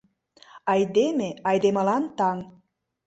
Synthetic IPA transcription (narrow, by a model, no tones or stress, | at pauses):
ɑjd̪emeɑjd̪eməlɑnt̪ɑŋ